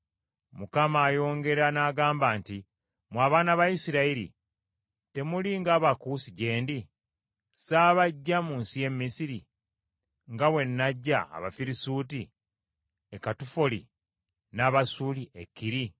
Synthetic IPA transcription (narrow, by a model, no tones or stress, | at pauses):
mukamaːjo̞ːŋɡe̞ɾanaːɡaːmbaːnti | mwaːβaːnaβajisiɾaiɾḭ | te̞muliŋɡaːβakuːsiɟe̞ːndi | saːβaɟːamuːnsije̞mːisiɾi | ŋɡawe̞nːaɟːa̰ːβa̰fiɾisuːti | ekatufolḭ | naːβasuːliʔekːiɾi